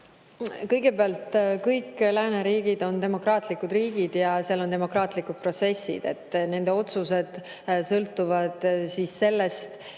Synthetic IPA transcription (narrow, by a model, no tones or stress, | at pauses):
kɤjɡ̥e̞peɑlt̪kɤjklæːneɾiːɡid̪̥o̞nt̪e̞mo̞krɑːt̪ˑlikːud̪riːɡ̥id̪̥jɑseɑlo̞nt̪e̞mo̞krɑːt̪ˑlikud̪̥̚pro̞t̪se̞sḭd̪̥e̞̰t̪ːne̞nd̪e̞o̞t̪suse̞d̪̥ | sɤlt̪ːˑuvɑd̪̥siːsːe̞lːest̪